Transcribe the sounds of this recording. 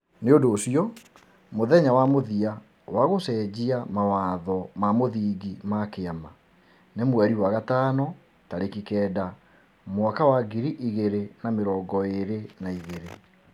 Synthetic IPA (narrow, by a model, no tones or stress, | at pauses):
neondoːsiɔ | moðɛɲawamoðia | waɣosɛd͡ʑiamawaðɔmamoðiːɡimakeama | nemwɛɾiwaɣataːnɔ | taɾekikɛːda | mowakawaɡiɾiʔiɣeɾenameɾɔːɡɔeɾenaiɣeɾḛ